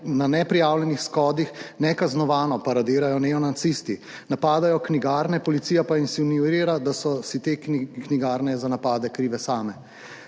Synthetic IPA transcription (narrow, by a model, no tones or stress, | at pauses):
nanɛpɾijaːwlʲɛnixskɔːd̪ixnɛkaznɔʋaːnɔpaɾad̪ɪːɾajɔnɛɔnat̪sist̪i | napaːd̪ajɔkniɡaːɾnɛpɔlit̪siːjapainsinjuɾiːɾad̪asɔsit̪eːkkniɡaːɾnɛzanapaːd̪ɛkɾiːʋɛsaːmɛ